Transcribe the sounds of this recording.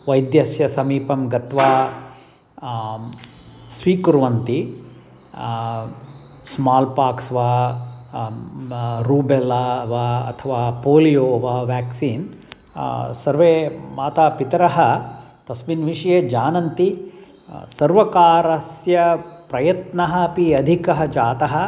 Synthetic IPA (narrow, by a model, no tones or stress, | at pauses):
ʋɐjd̪jɐsjɐsɐmiːpɐmɡɐt̪ʋaː | sʋiːkuɾʋɐnt̪i | smaːlpaːksʋaː | ɾuːbelaʋaːɐ̰t̪ʰɐʋaːpoːlijoːʋaːʋaːksiːn | sɐɾʋeːmaːt̪aːpit̪ɐɾɐɦɐt̪ɐsminʋiʂjeːd͡ʒaːnɐnt̪i | sɐɾʋɐkaːɾɐsjɐpɾɐjɐt̪nɐɦɐpiɐd̪ʱikɐɦɐd͡ʒaːt̪ɐɦɐ